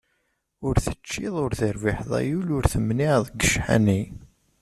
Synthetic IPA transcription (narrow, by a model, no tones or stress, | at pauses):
ʊɾθət͡ʃːɪðˤʊɾθəɾvɪħðˤæ̰julʊɾθəmniʕðˤɡəʃħa̰ni